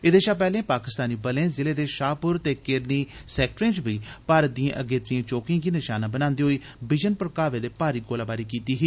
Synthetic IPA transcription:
eːd̪eːʃaːpɛːlẽːpaːkɪst̪aːniːbəlẽːzɪleːd̪eːʃaːpʊɾt̪eːkɪɾniːsɛːkʈɾẽːt͡ʃbiːpaːɾət̪̚d̪ijãːʔəɡeːt̪ɾĩãːt͡ʃoːkɪãːɡiːnɪʃaːnaːbənãːnd̪eːɦoiː | bɪd͡ʒənpɾəkaːʋeːd̪eːpaːɾiːɡoːlaːbaːɾiːkiːt̪iːɦiː

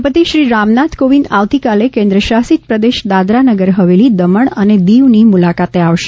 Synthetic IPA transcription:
pət̪iʃɾiɾamnat̪ʰkoʋind̪aʋt̪ikalekẽnd̪ɾəʃasit̪pɾəd̪eʃd̪ad̪ɾanəɡəɾɦəʋelid̪əməɳəned̪iʋnimulakat̪eaʋʃe

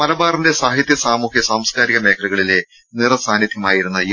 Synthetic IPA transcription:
mɐlɐbaːrinde̞saːɦit̪jɐsaːmuːhjɐsaːmskaːɾiɣɐme̞ːkʰːɐluɣɐɭile̞ | nirɐsaːnjɐd̪ʱjɐmaːjiɾunːɐi

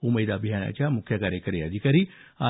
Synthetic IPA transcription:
uməjd̪abʱiɦaːna̰t͡ʃamʊkʰːjakaːɾjəkɐɾead̪ikɐɾia

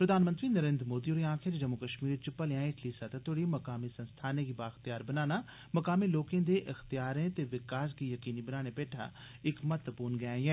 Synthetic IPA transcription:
pɾəd̪ʱaːnmənt̪ɾiːnəɾẽːnd̪ɾmoːd̪iːoːɾiãːkʰɪɾd͡ʒəmukəʃmiːɾt͡ʃpəlejãːɪʈʰliːsət̪t̪oɽiːməkaːmiːsənst̪ʰaːnẽːɡibaːxt̪ijaːɾbənaːnaː | məkaːmiːloːkẽːd̪eːʔəxt̪ijaːɾẽːt̪eːʋɪkaːs̬ɡiːjəkiːniːbənaːɽ̃epeːʈʰa̰ː | ɪkmət̪ʋəpuːɾnɡɛːiɛː

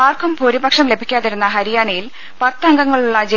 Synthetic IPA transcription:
aːrkʰɐmpoːɾibɐkʂɐmle̞bʱikʲːaːðiɾunːɐɦɐɾijaːɳɐjil | pɐt̪ːɐŋɡɐŋːɐɭuɭːɐd͡ʑe

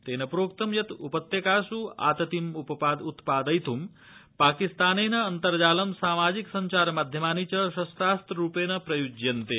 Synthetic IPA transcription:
t̪enɐpɾoːkt̪əmjɐt̪upət̪jɐkasua̰ːt̪ɐt̪imuppad̪ut̪paːd̪əjt̪ʰum | paːkist̪anenɐːnt̪əɾd͡ʒaːlɐmsaːmaːd͡ʒiksɐɲt͡ʃaɾmaːd̪ʱjəmaːnit͡ɕɐʃɐst̪aːst̪ɾupenɐpɾɐjud͡ʒjɐnt̪e

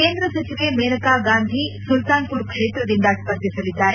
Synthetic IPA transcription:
keːnd̪ɾɐsɐt͡ʃiʋemeɾɐkaɡaːnd̪ʱisult̪aːnpuɾkʂeːt̪ɾɐd̪ind̪aspɐɾd̪ʱisɐlid̪ːaːɾe

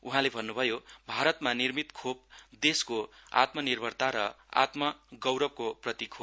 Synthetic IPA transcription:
uɦãlebʱʌnːubʱʌjobʱaɾʌt̪manirmit̪kʰop̚d̪eskoa̰t̪mʌnirbʱʌrt̪aɾʌ | a̰t̪mʌɡʌwɾʌb̚koprʌt̪ikʰo

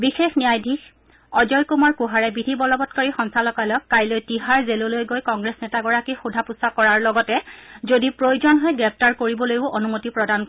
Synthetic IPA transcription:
bixexnijajdʱix | ɔd͡ʒɔjkumɔɹkuɦaɹɛbidʱibɔlɔbɔtkɔɹixɔnsalɔkajlɔkːajlojtiɦaɹzelulojɡojkɔŋɡɹesnɛtaɡɔɹakixudʱapusakɔɹaɹlɔɡɔtɛzodipɹojuzɔnɦɔjɡɹɛp̚ʰtaɹkoɹibɔlojʊʔonumotipɹɔdank

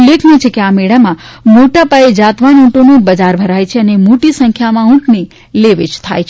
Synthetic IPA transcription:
lːekʰnet͡ʃʰekeameɽamãmoʈapaed͡ʒat̪ʋanũʈonebəd͡ʒaɾbʱəɾajt͡ʃʰeənemoʈisə̃ŋkʰjamãũʈne | leʋed͡ʒt̪ʰa̰jt͡ʃʰe

